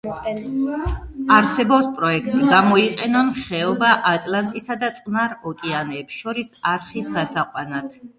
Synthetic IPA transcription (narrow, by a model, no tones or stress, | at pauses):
aɾsɛbɔpspʼɾɔɛkʰt̪ʼiɡamɔiqʼɛnɔnχɛɔbaʔat̪ʼlant̪ʼisad̪at̪sʼnaɾɔkʼɛanɛːpsʃɔɾisaɾχisɡasaqʼwanat̪ʰ